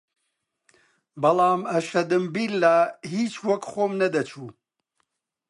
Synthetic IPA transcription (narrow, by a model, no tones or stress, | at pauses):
bɐlˠaːmɐʃɐd̪ɨmbiːlːaːɦiːt͡ʃwɐkχoːmnɐd̪ɐt͡ʃʰuː